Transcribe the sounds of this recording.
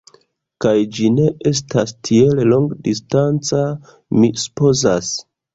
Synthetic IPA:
kajd͡ʒine̞ʔe̞s̬tastʰielelo̞ŋɡdistant͡sa | misu̥po̞zas

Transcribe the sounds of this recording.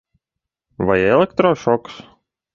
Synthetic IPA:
ʋɐjɛlʲˠɛkt̪ɾɔʃɔks

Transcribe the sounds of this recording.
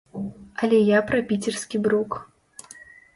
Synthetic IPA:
ɐlʲɛjapɾɐpʲit͡sʲɛrskʲibɾuk

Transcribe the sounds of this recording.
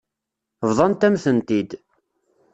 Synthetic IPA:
vðˤɑnt̪æmθənt̪id̪

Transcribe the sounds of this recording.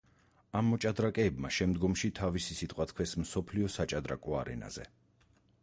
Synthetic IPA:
amːɔt͡ʃʼad̪ɾakʼɛːbmaʃɛmd̪ɡɔmʃit̪ʰavisisit̪ʼqʼwat̪ʰkʰwɛsmsɔpʰliɔsat͡ʃʼad̪ɾa̰kʼɔaɾɛ̰na̰z̥ɛ̰

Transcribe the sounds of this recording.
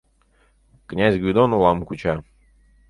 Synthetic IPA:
knʲazʲɡvʲɪd̪onʊlˠamkʊt͡ɕa

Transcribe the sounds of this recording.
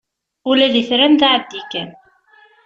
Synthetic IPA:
ulæðiθɾænðaʕəd̪ːikæn

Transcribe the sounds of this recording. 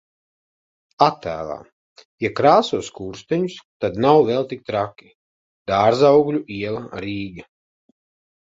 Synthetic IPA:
at̪ːæ̰ːlˠa̰ː | jakɾaːsuɔskuːɾst̪ɛɲust̪ad̪nawvɛlˠt̪ik̚t̪ɾakʲi̥ | d̪̥aːɾzawɡlʲuʔiɛlˠaɾiːɡa

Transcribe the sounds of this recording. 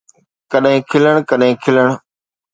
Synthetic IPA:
kəɗɦẽːkʰɪləɳ̃kəɗɦẽːkʰɪləɳ̃

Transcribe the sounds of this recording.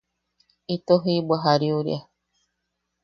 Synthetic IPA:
it̪oɦibaɦaɾiuɾj̰a

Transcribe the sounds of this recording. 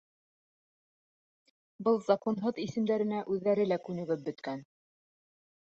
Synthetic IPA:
bɤlˠzakonɦoðisɘ̆md̪æɾɘ̆næʔʉðːæɾɘlækʉnɘ̆ɡɘp̚bɵ̆t̪kæn

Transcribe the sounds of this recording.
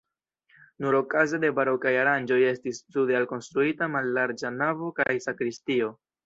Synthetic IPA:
nuɾo̞kazede̞baɾo̞kajaɾand͡ʒo̞je̞stistudealko̞nstɾuitamalːaɾd͡ʒanavo̞kajsakɾistio̞

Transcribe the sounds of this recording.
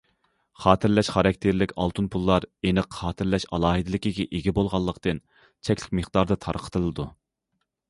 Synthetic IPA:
χɑːt̪ʰɪɾlɛʃχɑɾɑk̚ʲt̪ʰeɾlɪkʲɑ̰lˠt̪ʰunpʰulˠːɑɾenəqχɑːt̪ʰɨɾlɛʃɑlˠɑːɦɨd̪ɪlɪkʲiɡʲɛʔeɡʲɛbolˠʁɑlˠːəqt̪ɨn | t͡ʃʰɛkʲlɪ̥kʲmeχd̪ɑɾd̪ɑt̪ʰɑ̰ɾqʰə̥t̪ʰɨlˠɨd̪u

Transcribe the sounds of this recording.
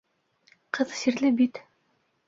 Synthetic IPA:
qɤðsiɾlɘbit̪

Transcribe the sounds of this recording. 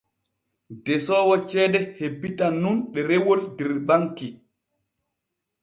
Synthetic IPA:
dɛsɔːwɔt͡ʃɛːdɛhebːitanːunɗɛɾewoldɛɾbaŋki

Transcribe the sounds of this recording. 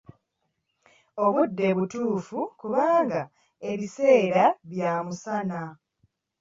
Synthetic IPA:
o̞βudːe̞βutuːfukuβaːŋɡa | e̞βise̞ːɾaβjaːmusana

